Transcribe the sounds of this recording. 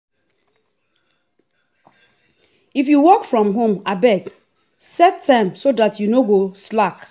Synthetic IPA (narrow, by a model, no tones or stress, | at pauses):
ifjuwɔkfɹɔ̃mɦõmabɛɡ | sɛtʰːãɪ̃msodatʰjunoɡoslak